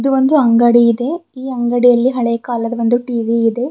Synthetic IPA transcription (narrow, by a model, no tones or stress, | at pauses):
ɐd̪uʋond̪uɐŋɡɐɽiːd̪e̞iːɐŋɡɐɽijɐlːiɦɐɭeːɐkaːlɐd̪ɐʋo̞nd̪uʈiːʋiːd̪e̞